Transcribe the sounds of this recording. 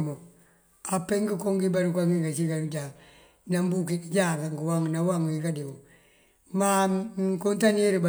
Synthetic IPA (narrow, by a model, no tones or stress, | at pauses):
mo | apːeŋɡikoŋɡibaɾukaŋɡiɡasikaɾud͡ʒa | nambukid͡ʒakaŋɡiwaŋnawaŋwikadibo | makontaniɾiba